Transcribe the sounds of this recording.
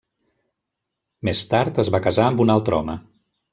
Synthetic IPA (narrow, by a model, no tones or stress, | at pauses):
mest̪aɾt̪əzβakəzaəmbunalˠt̪ɾɔ̰mə